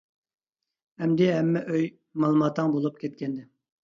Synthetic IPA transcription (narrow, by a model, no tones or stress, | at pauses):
ɛmd̪ɪɦɛmːɛʔøj | mɑlˠumɑt̪ʰːəŋbolˠup̚kʲʰɛt̪̚kʲʰɛnd̪ɪ